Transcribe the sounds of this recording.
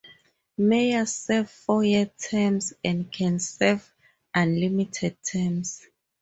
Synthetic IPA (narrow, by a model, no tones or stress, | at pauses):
mejasɛvfɔjɛtʰɛmsɛ̃ndkʰɛ̃nsɛv | ʔãnlimitʰɛd̚tʰɛms